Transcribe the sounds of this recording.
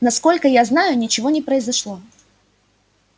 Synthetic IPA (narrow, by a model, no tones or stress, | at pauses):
nɐsko̞lʲkəjaznajʊnʲɪt͡ɕɪvo̞nʲɪpɾəɪzɐʂlˠo̞